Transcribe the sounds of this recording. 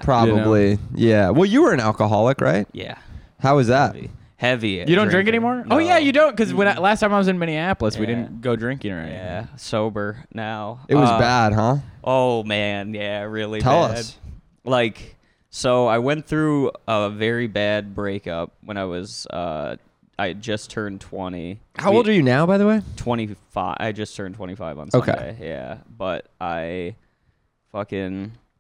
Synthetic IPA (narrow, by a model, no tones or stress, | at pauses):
pʰɹ̥ɑbəblijæwɛlˠjɨwə˞ɨ̃nælˠkəɦɑlˠəkɹʔa̰ɪt̚jæ̰haʊʌzðæt | hɛvijɨɾõʊ̃ndɹɪ̃ŋk̬ɛnimɔɹoʊjæjɨdõʊ̃nt̚kʌzwə̃naɪlæstʰãɪ̃maɪwʌzɨ̃nmɛniæplˠəswidɪdⁿn̩ɡ̥oʊdɹɪ̃ŋkɪ̃ŋə̰˞ã̰n̰jæsoʊbə˞naʊʔɨt̚wʌʌzbæd̥̚ɦʌ̃ʔoʊmæ̃njæɹɪlˠitʰɛlˠʌsd̥ | laɪk | soʊaɪwɛ̃nθɹʉəvɛɹibæd̚bɹeɪkʌ̰p̚wə̃ñaɪwʌzʌ̰ | ʔaɪd͡ʒʌstʰɜ̃˞ntʰw̥ɛ̃ɾ̃ihaʊoʊlˠdə˞jɨnaʊbaɪðəweɪtʰw̥ɛ̃ɾ̃ifa̰ɪʔa̰ɪd͡ʒʌstʰɜ̃˞ntʰw̥ɛ̰̃ɾ̃ifaɪvʌ̰̃n̩soʊkʰḛḛɪjæ̰b̥ʌɾ̚ʔaɪ | fʌkɪ̃n